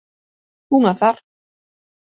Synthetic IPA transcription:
huŋaθaɾ̥

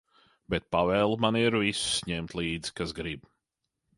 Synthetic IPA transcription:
bɛt̪̚pavɛːlˠmaniɾvisu̥sɲɛmt̪lˠiːd̪zi̥kasɡɾib

